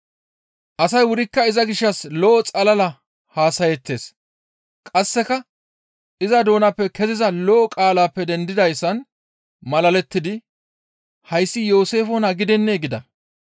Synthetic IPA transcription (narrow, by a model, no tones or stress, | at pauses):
ʔɐsɐjwʊɾɪkːɐɪzɐɡɪʃːɐslɔʔɔt͡sʼɐlɐlɐ | haːsɐjɛt̪ːe̞ːs | kʼɐsːɛkɐ | ʔɪzɐd̪o̞ːnɐpːɛkɛzɪzɐlɔʔɔkʼaːlaːpːɛd̪ɛnd̪ɪd̪ɐjsːɐn | mɐlɐlɛt̪ːɪd̪ɪ | hɐjsːɪjo̞ːse̞ːfɔnɐɡɪd̪ɛnːeːɡɪd̪ɐ̰